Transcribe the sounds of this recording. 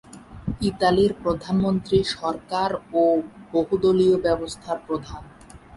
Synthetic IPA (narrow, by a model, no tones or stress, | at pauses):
it̪aliɾpɾod̪ʱanmont̪ɾiʃɔɾkaɾoboɦud̪oliobɛbost̪ʰaɾpɾod̪ʱan